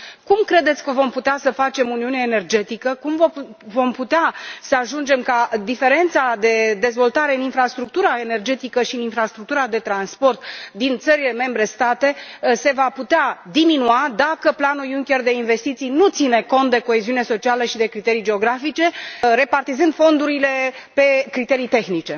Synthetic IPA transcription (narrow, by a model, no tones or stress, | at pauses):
kumkɾe̞d̪e̞t̪sʲkəvo̞mput̪easəfat͡ʃe̞muniunaene̞rd͡ʒe̞t̪ikəkumvvo̞mput̪easəaʒund͡ʒe̞mkad̪ife̞ɾe̞nt̪sad̪e̞d̪e̞zvo̞lt̪aɾe̞ɨninfɾast̪ɾuk̚t̪uɾae̞ne̞rd͡ʒe̞t̪ikəʃiɨninfɾast̪ɾuk̚t̪uɾad̪e̞t̪ɾanspo̞rt̪d̪int̪səɾile̞me̞mbɾe̞st̪at̪e̞se̞vaput̪ead̪iminuad̪akəplanujuŋkʲe̞rd̪e̞inve̞st̪it̪sijnut̪sine̞kont̪̚d̪e̞ko̞e̞ziuune̞so̞t͡ʃialəʃid̪e̞kɾit̪eɾijd͡ʒe̞o̞ɡɾafit͡ʃe̞ɾe̞part̪izɨnd̪fo̞nd̪uɾile̞pe̞kɾit̪e̞ɾijt̪e̞xnit͡ʃe̞